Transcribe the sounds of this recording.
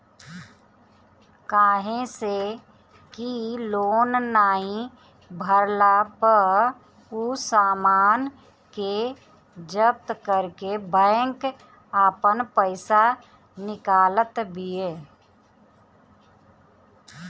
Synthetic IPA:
kaːɦẽse | kiloːnːaːɦĩ | bʱəɾlapə | usaːmaːn | ke | d͡ʒəp̚t̪kəɾkebɛ̃ːŋk | aːpənpəɪsa | nɪkaːlət̪bʱieː

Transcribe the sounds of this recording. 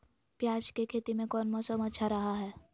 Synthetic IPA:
pjaːd͡ʒkekʰeːt̪imẽkɔːnmɔsəmɐtːʃʰaɾɐɦaɦɛː

